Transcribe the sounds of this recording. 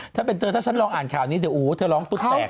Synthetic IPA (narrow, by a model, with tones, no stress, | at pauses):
t͡ɕʰa˦˥˩pe˧nt̪ɤː˧t̪ʰaː˥˩t͡ɕʰa˦˥nlɔː˧ŋʔaː˨˩nkʰaː˨˩wniː˦˥s̬i˧˩˦ʔuː˨˦t̪ʰɤː˧˩lɔː˦˥ŋt̪u˦˩t̪ɛː˨˩k̚